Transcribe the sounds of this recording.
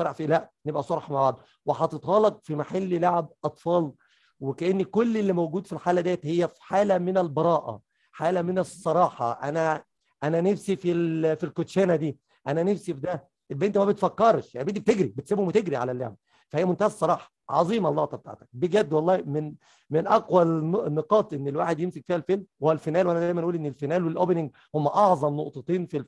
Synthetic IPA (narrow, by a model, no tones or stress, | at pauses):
ɑɾˤɑʕfilæʔnebʔæsˤoɾˤħmaʕbaʕd̪ˤ | weħɑt̪et̪ɣɑːlɑq̪̚fimaħalːilaʕeb̚ʔɑt̪ˤfɑːl | wekæʔenːikolːelːimowɡuːd̪filħaːlæd̪ejːæt̪hejːæfi̥ħaːlæmenælbɑɾˤɑːʔæ̰ | ħaːlæmenesˤːɑɾˤɑːħɑ̰ʔænæ | ʔænænefsifilfilkot̪ʃæːnæd̪iː | ʔænænefsifed̪æ | ʔelbeːnt̪mæbet̪fækːɑɾˤʃjanbed̪ːib̚t̪eɡɾibet̪seːbomet̪eɡɾiʕa̰læljæ̰m | fæhejːæmont̪æhædsˤɑɾˤɑːħɑ̥ʕɑ̰zˤiːmɑlˤːɑːt̪ɑb̚t̪a̰ʕt̪æ̥k̚beɡæd̪ːwɑlˤːɑːmen | menʔɑqwælneqɑːt̪ˤʔenːelwaːħed̪jemsekfiːhælfelwælfenæːlwʔænæd̪æjmænʔuːlʔenːelfenæːlwelʔobenɪŋɡ̚ | homːæʔɑʕzˤɑmnoʔt̪ˤet̪ˤiːnfil